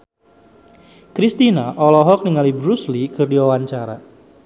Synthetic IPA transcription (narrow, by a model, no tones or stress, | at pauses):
kɾist̪inaʔɔlɔɦɔk̚niŋalibɾuslikərdiwawaɲt͡ʃaɾa̰